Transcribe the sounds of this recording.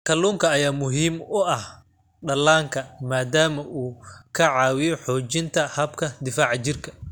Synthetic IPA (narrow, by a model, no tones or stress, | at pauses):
kʰɐluːŋkʰɐːjaːmʊɦiːmʊʔɐh | ɖɐlaːŋkʰɐmaːd̪aːmɐʔuːkʰɐʕɑːwɪjɔħɔːt͡ʃɪnt̪ʰɐhɐbkʰɐd̪ɪfaːʕt͡ʃɪrkʰɐ